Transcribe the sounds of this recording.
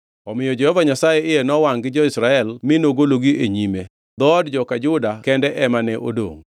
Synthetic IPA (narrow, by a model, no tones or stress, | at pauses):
ɔmɪjɔd͡ʒɛhɔvaɲasajeɪjenɔwaŋɡɪd͡ʒɔɪsɾaɛlminoɡoloɡiʔeɲime | d̪ɔdd͡ʒɔkad͡ʒʊdakɛndɛʔɛmanɛʔo̰do̰ŋ